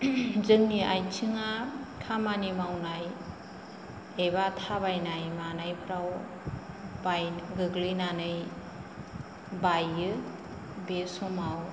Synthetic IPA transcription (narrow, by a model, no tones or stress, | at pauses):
zɯŋniʔajt͡ʃʰɯŋakʰamanimawnaj | eβatʰabajnajmanajpʰɾaw | bajɡɯɡlɯnanɯj | bajɯ | besumaw